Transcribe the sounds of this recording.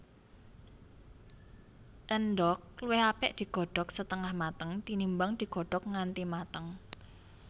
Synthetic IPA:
ʔənɖ̪ɔk̚luwɪhapɪʔd̪̥i̤ɡ̥ɔ̤ɖ̥ɔksət̪əŋahmat̪əŋt̪inimbaŋd̪̥i̤ɡ̥ɔ̤ɖ̥ɔk̚ŋant̪imat̪əŋ

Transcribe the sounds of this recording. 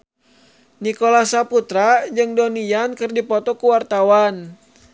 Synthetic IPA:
nikolasaput̪ɾad͡ʒɨŋdonijankɨrdipɔt̪ɔkuwart̪awan

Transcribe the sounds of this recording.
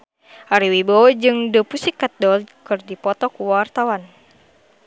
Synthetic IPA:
ʔaɾiwibɔd͡ʒɨŋdəpusikːat̪̚dɔlkɨrdipɔt̪ɔkuwart̪awan

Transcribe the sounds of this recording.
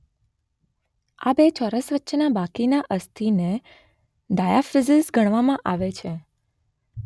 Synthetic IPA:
a̰bet͡ʃʰɔɾəsʋətːʃʰnabakinaʔəst̪ʰine | d̪ajafizɪsɡʱəɽ̃ʋamãʔaʋet͡ʃʰe

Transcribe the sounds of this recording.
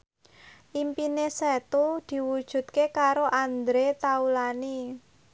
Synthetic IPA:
ʔimpinesɛt̪ud̪̥i̤wud̥ʒ̥ṳt̪̚kekaɾoʔand̪ɾet̪aulani

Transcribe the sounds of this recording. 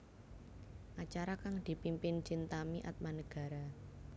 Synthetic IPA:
ʔat͡ʃaɾakaŋd̪̥i̤pimpɪnt͡ʃint̪amiʔat̪̚manəɡ̥a̤ɾa

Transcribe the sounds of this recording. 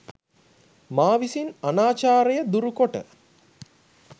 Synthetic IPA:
maːʋisinanaːt͡ʃaːɾejəd̪uɾukoʈə̰

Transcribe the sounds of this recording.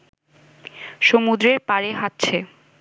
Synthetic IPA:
ʃomud̪ɾeɾpaɾeɦat̪ːɕʰe

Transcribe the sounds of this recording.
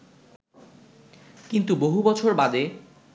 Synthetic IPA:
kint̪uboɦubɔt͡ɕʰoɾbad̪e

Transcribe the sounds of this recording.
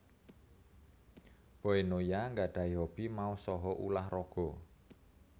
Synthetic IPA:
b̥ɔ̤enojaŋɡaɖ̥a̤iɦɔb̥i̤mausɔɦɔʔṵlahrɔɡ̥ɔ̤

